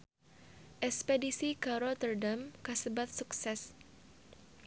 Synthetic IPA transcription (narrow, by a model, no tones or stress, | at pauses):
ʔɛkspɛdisikaɾɔt̪ərdamkasəbat̪̚suksɛs